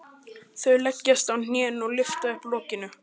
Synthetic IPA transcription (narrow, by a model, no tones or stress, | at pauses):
θœɥlɛcːast̪awn̥jɛːnɔɣlɪft̪aɪhplɔːcɪnʏ